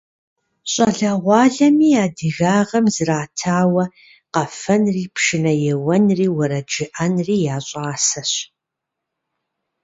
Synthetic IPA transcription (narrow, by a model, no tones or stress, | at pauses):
ɕʼɐɮɐʁʷɑːɮɐmiːjaːdɨɣaːʁɐmzraːtʰaːwɐ | qɐfɐnriːpʂɪnɐjɛwɐnriːwɐɾɐd͡ʒɪʔɐnriːjaːɕʼaːsɐɕ